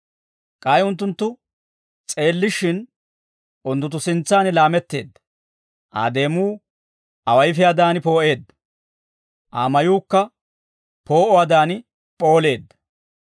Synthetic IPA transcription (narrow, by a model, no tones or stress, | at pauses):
kʼɐjʊnt̪ːʊnt̪ːʊ | t͡sʼe̞ːlːɪʃɪn | ʔʊnd̪ʊt̪ːʊsɪnt͡sːaːnɪlaːmɛt̪ːe̞̰ːd̪ːɐ̥ | ʔa̰ːd̪e̞ːmuː | ʔɐwɐjfɪjaːd̪aːnpo̞ːʔe̞ːd̪ːɐ̥ | ʔaːmɐjuːkːɐ | po̞ːʔɔwaːd̪aːnɪ | pʼo̞ːle̞ːd̪ːɐ̥